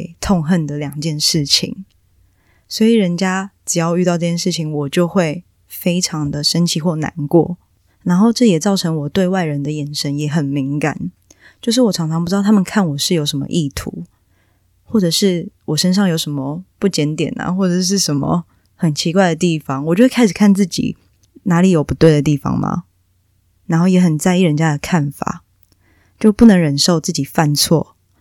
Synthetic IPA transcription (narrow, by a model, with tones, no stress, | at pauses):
ɪt̪ʰɔ˥˧ŋxə˥˩nd̪ə˩ljɑ˨˩ŋt͡ɕjɛ˥˧nʂɻ̩˥˩t͡ɕʰḭ˨˦ŋ | swɔ˧˥i˨˩ɻə˧˦nt͡ɕja˦ʈ͡ʂɻ̩˨˩jɑ˥˧ʊy˥˧t̪ɑ˥˧ʊʈ͡ʂɤ˥˩t͡ɕjɛ˥˧nʂɻ̩˥˩t͡ɕʰi˨˦ŋwɔ˨˩t͡ɕjo˥˧ʊxwe˥˩ɪ | fe˥ɪʈ͡ʂʰɑ˧˦ŋd̪ə˨ʂə˥nt͡ɕʰi˧˥xwɔ˥˩na̰˧˦nkwɔ̰˥˩ | na˧˥nxo˥˧ʊʈ͡ʂɤ˥˨jɛ˨˩t͡sɑ˥˩ʊʈ͡ʂʰə˧˥ŋwɔ˨˩t̪we˥˧ɪwa˥˩ɪɻə˧˦nd̪ə˨jɛ˨˩nʂə˦njɛ˧˥xə˨˩nmi˧˥ŋka̰˨˩˦n | t͡ɕjo˥˧ʂ̬ɻ̩˥˩wɔ˨˩t͡sʰɑ˧˥ŋʈ͡ʂʰɑ˧ŋpu˥˧˥ɑ˥˩a˥mə˨nkʰa˥˩nwɔ˨˩ʂɻ̩˥˩˨jo˧˥ʊʂə˧˦mə̰˧ʔi˥˩t̪ʰṵ˨˧˦ | xwɔ˥˩ʈ͡ʂɤ˨˩ʂɻ̩˥˩wʔɔ˨˩ʂə˥˦nʂ̬ɑ˥˩ŋjo˧˥ʊʂə˧˦˥nmə˧pu˥˩t͡ɕjɛ˧˥nt̪jɛ̰˨˩nɐ̰˨xwɔ˥˩ʈ͡ʂɤ˨˩ʂ̬ɻ̩˥˩ʂə˧˦nmə̰˨ | xə˨˩nt͡ɕʰi˧˥kwa˥ɪd̪ə˩t̪i˥˩fɑ˦ŋwɔ˨˩t͡ɕjo˥˧kʰa˥ɪʂ̩˨˩kʰa˥˧nt͡sɹ̩˥˩t͡ɕḭ˨˩ | na˧˥li˨˩jo˨˩ʊpu˧˥t̪we˥˩ɪə˩t̪̬i˥˩fɑ̰˩ŋma̰˨˩ | na˧˥nxo˥˩ʊjɛ˨˥xə˨˩nt͡sa˥˧ɪi˥˩ɻə˧˦nt͡ɕja˦˥d̪ə˨kʰa˥˩nfa̰˨˩˦ | t͡ɕjo˥˧ʊpu˥˩nə˧˥ŋɻə˨˩nʂo˥˧ʊt͡sɹ̩˥˩t͡ɕi˨˩fa˥˧nt͡sʰwɔ̰˥˩